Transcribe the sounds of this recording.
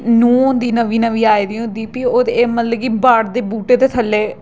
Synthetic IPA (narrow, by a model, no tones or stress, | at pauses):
noːnd̪iːnəʋiːnəʋiːaːiːd̪iʊnd̪iːpiːoːd̪eːmət̪ləɡiːbaːɽd̪eːbuːʈeːt̪eːt̪ʰəlːeː